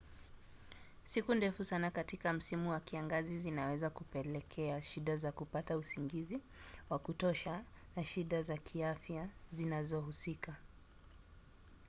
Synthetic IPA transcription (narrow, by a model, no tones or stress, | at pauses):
sikundɛfusanakatikam̩simuwakiaŋɡazizinawɛzakupɛlɛkʰɛaʃiɗazakupatausiŋɡizi | wakutɔʃa | naʃiɗazakʰiafjazinazɔhusika